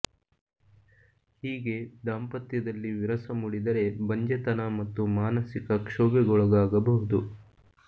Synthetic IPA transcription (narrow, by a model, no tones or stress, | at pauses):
hiːɡe̞d̪aːmpɐt̪jɐd̪ɐlːiʋiɾɐsɐmuɽid̪ɐɾe̞bɐɲd͡ʒɐt̪ɐnɐmɐt̪ːumaːnɐsikɐkʂoːbɛɡɔɭɐɡaːɡɐbɐɦud̪u